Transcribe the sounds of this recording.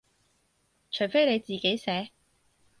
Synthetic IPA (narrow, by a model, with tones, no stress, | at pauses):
t͡ʃʰɵ˨˩ɥfe˥jne˨˧jt͡siː˨˩ke˨˥jsɛː˨˥